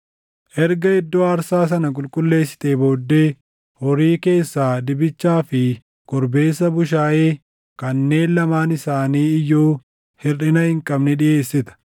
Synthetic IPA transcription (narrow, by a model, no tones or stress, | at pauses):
ʔɛɾɡɐɪd̪ːoːɐɾsaːs̬ɐnɐk̬ʼʊlkʼʊlːe̞ːsːɪ̥t̪eːbo̞ːd̪ːe̞ː | hɔɾiːke̞ːsːaːd̪ɪbɪt͡ʃːaːfɪ | ɡ̥ɔɾbe̞ːsːɐbʊʃ̬aːʔeː | kɐnːe̞ːnlɐmaːnɪsaːniːɪjːoː | hɪrɪnɐhɪŋkʼɐbnɪᶑɪʔe̞ːsːɪt̪ɐ̥